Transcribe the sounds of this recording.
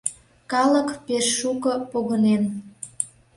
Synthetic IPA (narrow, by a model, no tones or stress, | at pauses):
kɑləkpeʃːukɤ̆poɣənen